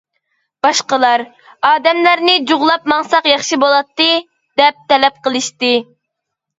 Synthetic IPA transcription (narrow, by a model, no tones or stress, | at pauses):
b̥ɑʃqəlˠɑɾ | ɑːd̪ɛmlæɾnɪd͡ʒuʁlˠɑp̚mɑŋsɑqjɑχʃibolˠɑt̪ːɨ | d̪ɛp̚t̪ɛlɛp̚qəlˠɨʃt̪ɨ